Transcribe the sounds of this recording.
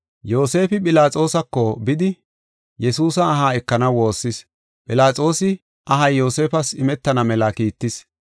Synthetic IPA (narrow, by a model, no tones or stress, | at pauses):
jo̞ːse̞ːfɪpʼɪlaːt͡sʼo̞ːsɐkːɔbɪd̪ɪ | jɛsuːsɐːɦaːɛkːɐnɐwwo̞ːsːɪs | pʼɪlaːt͡sʼo̞ːsɪ | ʔɐɦɐjːo̞ːse̞ːfɐsɪmɛt̪ːɐnɐmɛlɐkiːt̪ːɪs